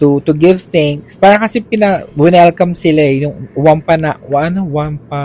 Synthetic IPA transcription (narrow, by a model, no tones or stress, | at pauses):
t̪ʊt̪ʊɡɪvθɪŋkspaːɾɐkɐsɛpɪnɐwɪnɛlkɐmsɪlaɛjʊŋwampanaʔwaʔɐnowampa